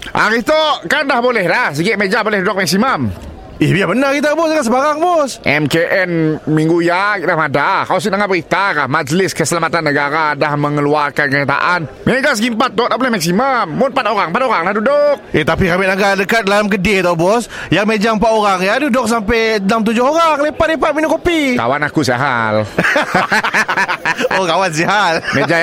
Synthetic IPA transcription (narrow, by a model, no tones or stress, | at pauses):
ʔa̰ɾɪht̪oʔkandahbolɛhlahsəɡɪʔmed͡ʒabolɛhdudʊk̚mɛk̚simam | ɪhbijabənarkit̪̬abɔsakasəbaɾaŋbɔsʔɛmkeʔɛnmiŋɡujakidahmadakaws̬inəŋabəɾit̪akahmad͡ʒlɪskəsəlamat̪anːəɡaɾadahməŋəluarkankəɲat̪a̰ʔanminad͡ʒas̬ɡimpat̪ːɔt̪aplahmak̚simammʊnpat̪oɾaŋpat̪oɾaŋlahdudʊk̚ʔɛt̪apikamɪnaɡaʔdəkat̪̚lalamk̬ədit̪obɔs | jaŋmed͡ʒampat̪oɾaŋjadudʊk̚s̬ampɛnamt̪̬ud͡ʒʊhoɾaŋlepat̪̚lipat̪̚minʊkopika̰wanakusiaɦal | okawans̬iɦalmed͡ʒa